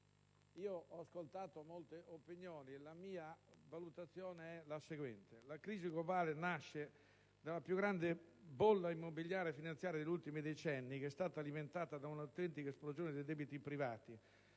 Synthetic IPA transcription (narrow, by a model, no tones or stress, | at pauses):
iːoʔɔaskolt̪aːt̪omolt̪eʔopinjɔːnielamiːavalut̪at̪sːjɔːneɛlaseɡwɛnt̪elakɾiːziɡlobaːlenaʃːe | d̪alapjuɡːɾand̪ebolːaimːobiljaːɾjefinant̪sjaːɾjad̪eʎːult̪imid̪et͡ʃɛnːik̟ɛst̪aːt̪aːliment̪aːt̪ad̪aunawt̪ɛnt̪ikaesplozjoːned̪ejd̪ɛːbit̪ipɾivaːt̪i